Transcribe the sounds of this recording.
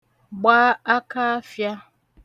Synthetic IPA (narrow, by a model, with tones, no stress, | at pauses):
ɡ͡baː˦a˦ka˦fja˦